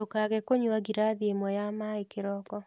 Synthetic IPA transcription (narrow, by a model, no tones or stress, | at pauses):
okaɣɛkoɲwaɣiɾaðiemɔjamaekeɾɔkɔ